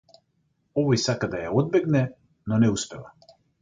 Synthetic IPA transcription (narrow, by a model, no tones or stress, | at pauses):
ɔvɔjsakad̪ajaɔd̪̚bɛɡnɛ | nɔnɛuspɛva̰